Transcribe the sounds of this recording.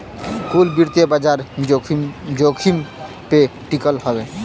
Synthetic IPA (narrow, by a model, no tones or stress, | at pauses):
kulbiɾt̪ebad͡ʒaɾ | d͡ʒokʰim | peʈikəlɦɔbe